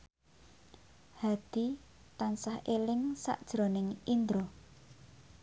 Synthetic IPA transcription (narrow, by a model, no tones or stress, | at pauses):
had̪̥i̤ | t̪ansahelɪŋsa̰ʔd̥ʒ̥ɾɔ̤nɪŋind̪ɾɔ